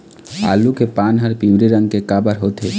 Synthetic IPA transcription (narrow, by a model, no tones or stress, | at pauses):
a̰ːlukepaːnɦəɾpiwɾiɾə̃ŋɡkekaːbəɾɦoːt̪eː